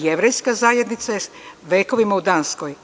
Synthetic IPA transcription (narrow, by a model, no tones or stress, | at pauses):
jeʋɾejskazaːjed̪nit̪sa | ʋeːko̞ʋimaud̪anskoj